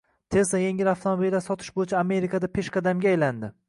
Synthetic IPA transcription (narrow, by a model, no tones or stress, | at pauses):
t̪ʰe̞zajeŋʲɪɾaft̪ʰomabilːaɾsɒt̪ʰɪʃbojɪt͡ʃʰaːme̞ɾikʰad̪apʰe̞ʃkɑd̪amɡʲaːjland̪ɪ